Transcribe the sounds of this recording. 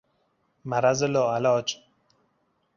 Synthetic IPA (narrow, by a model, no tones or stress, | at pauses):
maɾazɪloalɔːt͡ʃ